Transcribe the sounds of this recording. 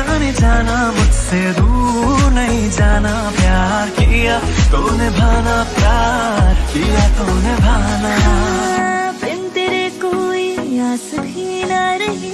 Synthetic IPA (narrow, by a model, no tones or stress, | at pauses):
aned͡ʒaːnabud͡ʒsed̪uɾnɐɦĩd͡ʒaːna | pjaː | ɾkijat̪onebʱaːnapjaːɾkijat̪onebʱaːna | bent̪eɾekoijasbʱinaɾe